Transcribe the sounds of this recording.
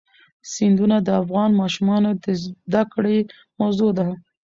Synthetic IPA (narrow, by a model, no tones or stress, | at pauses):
sind̪unad̪əafɣɑnmɑʃumɑnod̪əzd̪akɽe | mawzod̪a